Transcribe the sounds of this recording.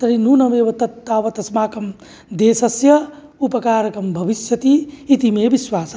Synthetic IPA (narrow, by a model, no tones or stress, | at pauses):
t̪ɐɾinuːnɐmeːʋɐt̪ɐt̪ːaːʋɐt̪ɐsmaːkɐm | d̪eːsɐsjɐ | upɐkaːɾjɐkɾɐmbʱɐʋisjɐt̪iːt̪imeːbiswaːs